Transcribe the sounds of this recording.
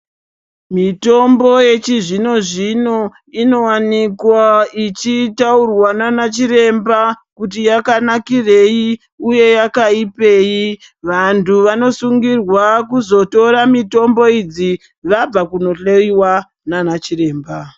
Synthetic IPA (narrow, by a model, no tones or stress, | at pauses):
mito̞mbo̞je̞t͡ʃiʐino̞ʐino̞ | ino̞wanikwait͡ʃitaurwananat͡ʃiɾe̞mbakut̬ijakanakire̞ji | uje̞jakaipe̞ji | ʋantʰuʋano̞suŋɡirwakuzo̞to̞ɾamito̞mbo̞id͡zi | ʋab͡vakuno̞ɬeiwa | nanat͡ʃire̞ːmba